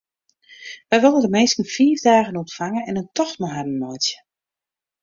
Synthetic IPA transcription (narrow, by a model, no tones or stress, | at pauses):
ʋɛjʋɪlˠdəndəmejskən̩fiːvdaːɣənɔntfaŋənɛnəntɔxtmaɦadən̩mɔjtjə̥